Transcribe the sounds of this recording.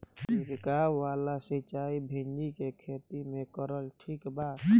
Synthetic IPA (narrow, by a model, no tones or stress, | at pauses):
iɾkaːwːaːlasit͡ʃaːibʱend͡ʒikekʰeːt̪imẽkəɾəlʈʰiːkbaːt̪